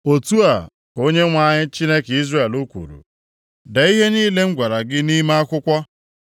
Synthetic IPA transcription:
o˨tu˦a˨ | ko˦ɲe˦ŋʷa˦ɲɪ˦t͡ʃi˦ne˦ki˦zre˦˨e˨lu˦kʷṵ˨ɾṵ˨ | da˨i˦ɦe˦niː˦le˦ŋ̩˦ɡʷa˨ɾa˨ɡɪ˦ni˦ma˦a˦kʷʊ˦kʷɔ˦

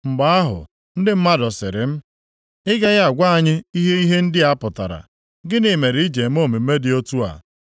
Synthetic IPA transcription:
ŋ͡m̩˨ɡ͡ba˦a˦ɦʊ̰˨ | n̩˦dɪ˦m̩˦ma˦dɔ˨sɪ̰˨ɾɪ̰˨m̩˦ | ɪ˦ɡa˦ja˦a˨ɡʷa˦a˨ɲɪ˦i˦ɦe˦i˦ɦe˦n̩˦dɪ˦a˦pʊ˨ta˨ɾa̰˨ | ɡɪ˦nɪ˨me˨ɾi˨˦i˦d͡ʒe˨m˦o˦˨mi˨me˦dɪ˨o˦tu˦a̰˨

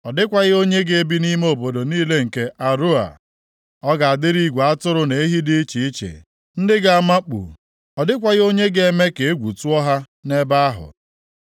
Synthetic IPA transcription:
ɔ˨dɪ˦kʷa˨ɣɪ˦o˦ɲe˦ɡe˨e˦bi˦ni˦m˦o˨bo˨do˨niː˦le˦ŋ̩˨ke˦ʔa˨ɾu˦a̰˨ | ɔ˦ɡa˨a˨dɪ˦ɾi˦ɡʷa˦tʊ˦ɾʊ˦ne˨e˦ɦi˦dɪ˦t͡ʃi˨i˦t͡ʃḛ˨ | n̩˦dɪ˦ɡa˨a˦˨ma˦k͡pṵ˨ | ɔ˨dɪ˦kʷa˨ɣɪ˦o˦ɲe˦ɡe˦me˦ke˨e˦ɡʷu˨tu˦ɔ˦ɦa˦ | ne˦ba˦a˦ɦʊ̰˨

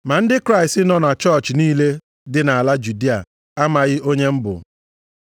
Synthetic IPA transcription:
ma˨n̩˦dɪ˦kɾa˦ɪ˨stɪ˦nɔ˦na˨t͡ʃɔ˦˨t͡ʃniː˦le˦ | dɪ˨na˨a˨la˦d͡ʒu˨di˦a̰˨ | a˦ma˨ɣɪ˦ʔo˦ɲe˦m̩˦bʊ̰˨

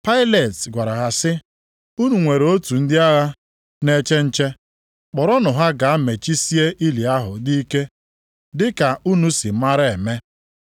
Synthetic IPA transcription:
pa˦ɪ˦le˨tɡʷa˨ɾa˨ɦa˨sɪ˦ | u˦nu˨ŋʷe˨ɾo˦tu˨n̩˦dɪ˦a˦ɣa˦ | ne˦t͡ʃe˦n̩˦t͡ʃe˦ | k͡pɔ˨ɾɔ˦nʊ˨ɦa˦ɡa˨a˦me˨t͡ʃi˦si˦e˦ʔi˦li˨a˦ɦʊ˨di˦i˦ke˦ | dɪ˦ka˨u˦nu˦si˨ma˦ɾɪ˦e˨me˦

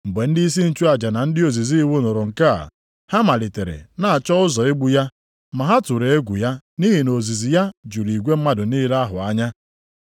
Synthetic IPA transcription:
m̩˨ɡ͡be˨n̩˦di˦i˦s̬i˦n̩˦t͡ʃu˦a˨d͡ʒa˨na˨n̩˦dɪ˦o˨zi˨zi˦wu˦nʊ˨ɾʊ˨ŋ̩˨ka̰˦˨ | ha˦ma˨lɪ˨te˨ɾḛ˨na˨a˨t͡ʃɔ˦ʊ˦zɔ˨ɪ˦ɡ͡bu˦ja˦ | ma˨ɦa˦tʊ˨ɾe˨e˦ɡʷu˨ja˦ | ni˦ɦi˨no˨zi˨zi˨ja˦d͡ʒu˨ɾi˨ɡʷe˦m̩˦ma˦dʊ˨ni˦la˦ɦʊ˨a˦ɲa˦

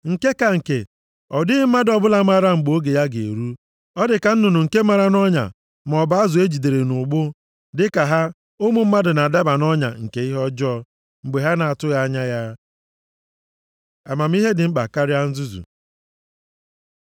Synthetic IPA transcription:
ŋ̩˨ke˦ka˨ŋ̩˨ke˨ | ɔ˨dɪ˦ɪ˦m̩˦ma˦dɔ˨bʊ˦la˨ma˦ɾa˦ŋ͡m̩˨ɡ͡bo˦ɡe˨ja˦ɡe˨ɾu˦ | ɔ˦dɪ˨ka˨n̩˦nʊ˨nʊ˨ŋ̩˨ke˦ma˦ɾa˦nɔ˦ɲa̰˨ | m˨ɔ˨ba˨˦a˦zʊ˨e˦d͡ʒi˨de˨ɾe˨nʊ˨ɡ͡bʊ˦ | dɪ˦ka˨ɦa˦ | o˦mu˨m̩˦ma˦dʊ˨na˨a˨da˦ba˨nɔ˦ɲa̰˨ŋ̩˨ke˨i˦ɦɔ˦d͡ʒɔ˦ | ŋ͡m̩˨ɡ͡be˨ɦa˦na˨a˨tʊ˦ɣa˦ɲa˦ja˦ | a˨ma˨m̩˦i˦ɦe˦dɪ˨ŋ͡m̩˦k͡pa̰˨ka˦ɾja˦n̩˦zu˦zṵ˨

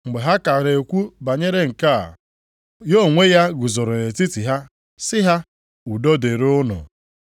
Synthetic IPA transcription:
ŋ͡m̩˨ɡ͡be˨ɦa˦ka˨ɾe˨kʷu˦ba˨ɲe˦ɾe˦ŋ̩˨ka̰˦˨ | jo˦˨ŋʷe˦ja˦ɡʊ˨zʊ˨ɾʊ˨e˨ti˦ti˨ɦa˦ | sɪ˦ɦa˦ | u˨do˦de˨ɾʊ˦nʊ̰˨

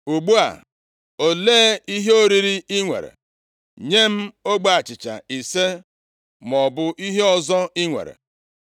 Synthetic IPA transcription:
u˨ɡ͡bu˦a̰˨ | o˨leː˦i˦ɦe˦o˦ɾi˦ɾi˦ɪ˦ŋʷḛ˨ɾḛ˨ | ɲe˦m̩˦o˦ɡ͡ba˦a˨t͡ʃɪ˨t͡ʃa̰˨i˨se˦ | m˨ɔ˨bʊ˦ʔi˦ɦe˦ɔ˨zɔ˦i˦ŋʷḛ˨ɾḛ˨

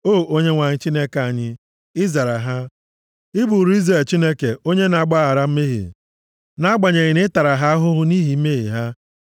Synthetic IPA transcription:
o˦˨ʔo˦ɲe˦ŋʷa˨ɲɪ˦t͡ʃi˦ne˦ka˨ɲɪ˦ | ɪ˦za˨ɾa˨ɦa˦ | ɪ˦bu˨ɾi˦ze˨t͡ʃi˦ne˦ke˨o˦ɲe˦na˨ɡ͡ba˦a˨ɾa˦m̩˦me˦ɦḭ˨ | na˦ɡ͡ba˨ɲe˨ɣɪ˨nɪ˦ta˨ɾa˨ɦa˦ɦʊ˦ɦʊ˦ni˦ɦi˨˦me˦ɣḭ˨ɦa˦

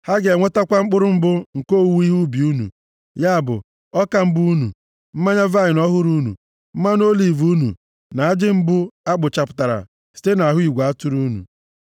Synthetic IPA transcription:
ha˦ɡe˨ŋʷe˦ta˦kʷa˦ŋ͡m̩˦k͡pʊ˦ɾʊ˦m̩˦bʊ˦ŋ̩˨ko˦˨wu˦i˦ɦu˦bi˨u˦nṵ˨ | ja˦a˨bʊ̰˨ | ɔ˦ka˨m̩˦bu˦nṵ˨ | m̩˦ma˦ɲa˦va˦ɪ˨nɔ˦ɦʊ˦ɾu˦nṵ˨ | m̩˦ma˦n˦o˦li˨vu˦nṵ˨ | na˨a˦d͡ʒɪ˦ŋ͡m̩˦bʊ˦a˦ɡ͡bʊ˨t͡ʃa˨pʊ˨ta˨ɾa̰˨ | si̥˦te˦na˨ɦʊ˦i˨ɡʷa˨a˦tʊ˦ɾu˦nṵ˨

